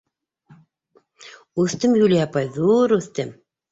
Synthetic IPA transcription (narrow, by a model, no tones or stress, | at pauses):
ʉθt̪ɘmjulʲiapɑjðuɾʉθt̪ɘm